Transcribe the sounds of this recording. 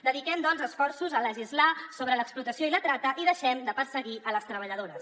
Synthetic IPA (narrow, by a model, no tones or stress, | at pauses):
d̪əðikɛmd̪ɔnzəsfɔrsuzələʒizlasoβɾələksplut̪əsioilət̪ɾat̪əʔiðəʃɛmd̪əpəɾsəɣiʔələst̪ɾəβ̞əʎəðoɾəs